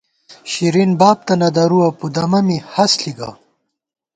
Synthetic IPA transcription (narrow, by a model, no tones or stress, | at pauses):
ɕiɾinbaːb̚t̪ɐnɐd̪ɐɾuɐpud̪ɐmɐmihɐsliɡa̰